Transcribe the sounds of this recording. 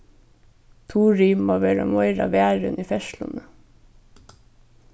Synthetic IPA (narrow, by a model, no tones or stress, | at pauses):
t̪ʰuːɾyːmɑʋeːɾɑ̰mɔʏɾɑ̰ʋeːɾʉ̰nʔiːfɛʃlʊ̰nə